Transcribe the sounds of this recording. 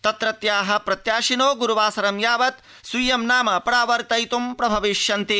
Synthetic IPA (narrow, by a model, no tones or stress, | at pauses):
t̪ɐt̪ɾɐt̪jaːɦɐ̆pɾɐt̪jaːʃinoːɡuɾuʋaːsɐɾɐmjaːʋɐt̪ | sijɐmnaːmɐpɐɾaːʋɐɾt̪ɐjt̪umpɾɐbʱɐʋiʃjɐnt̪i